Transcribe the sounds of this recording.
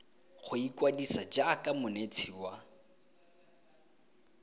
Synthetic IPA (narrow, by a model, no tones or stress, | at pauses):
χʊikʼwadisad͡ʒakʼamʊnet͡sʰiwa